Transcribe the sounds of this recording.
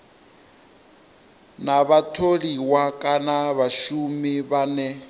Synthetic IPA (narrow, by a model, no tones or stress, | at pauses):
naβatʰoliwakʼanaβaʃumiβanɛ